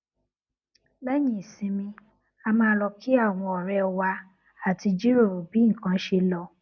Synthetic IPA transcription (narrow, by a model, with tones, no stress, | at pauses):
bɛ˦jĩ˦˨sĩ˨˧˦mĩ˧ | a˧mãː˧˦lɔ˧ki˦a˦˨w̃ɔ̃˧ɔ˨ɾɛ˧ɔ˧wa˧ | a˨ti˧d͡ʒi˦ɾo˦˨ɾo˨bi˨˦˨kã˧˦ʃe˧lɔ˧